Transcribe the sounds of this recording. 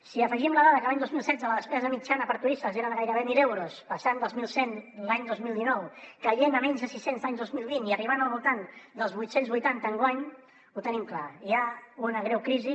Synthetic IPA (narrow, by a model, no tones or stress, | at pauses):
siəfəʒimləðaðəkəlaɲd̪ozmilˠsɛd̪d͡zələðəspɛzəəmit͡ʃanəpəɾt̪uisəzeɾəðəɣajɾəβemilewɾuspəsand̪olˠzmilˠsenlaɲd̪ozmilˠd̪inɔwkəʎenəmɛɲzðəsisenzðaɲd̪ozmilˠβiniəriβ̞anəlˠβulˠt̪and̪əlˠzβujt̪senzβujt̪ant̪əːŋɡwaɲ | ut̪ənimklaiaunəɣɾɛwkɾizi